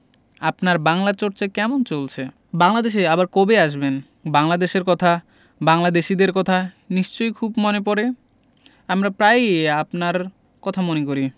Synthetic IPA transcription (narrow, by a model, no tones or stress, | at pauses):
apnaɾbaŋlat͡ɕoɾt͡ɕakɛmont͡ɕolt͡ɕʰe | baŋlad̪eʃ̬eabaɾkobeaʃ̬ben | baŋlad̪eʃeɾkɔt̪ʰa | baŋlad̪eʃid̪eɾkɔt̪ʰa | niʃt͡ɕojkʰubmonep̬ɔɾe | amɾapɾajeeapnaɾ | kɔt̪ʰamonekoɾi